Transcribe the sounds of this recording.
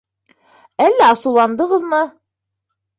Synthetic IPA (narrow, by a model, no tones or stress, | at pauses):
ælːæɑsɤ̆wlˠɑnd̪ɤ̆ʁɤðmɤ